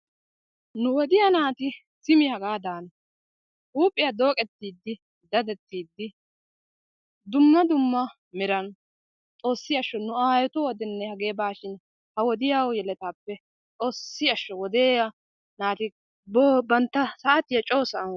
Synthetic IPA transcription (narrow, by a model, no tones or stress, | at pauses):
nʊwɔd̪ɪjɐnaːt̪ɪ | sɪmɪhɐɡaːd̪aːnɐ | ʔuːpʼːɪjɐd̪o̞ːkʼɛt̪ːiːd̪ːɪ | d̪ɐd̪ɛt̪ːiːd̪ːɪ | d̪ʊmːɐd̪ʊmːɐ | mɪɾɐn | t̪ʼo̞ːsːɪɐʃːɔnʊaːjɔt̪ʊwɔd̪ɛnːɛhɐɡe̞ːbaːʃɪn | hɐwɔd̪ɪjawjɛlɛt̪aːpːɛ | t̪ʼo̞ːsːɪɐʃːɔwɔd̪eːjɐ | naːt̪ɪ | bobɐnt̪ːɐsɐʔɐt̪ːɪjɐt͡ʃʼo̞ːsɐʔɐn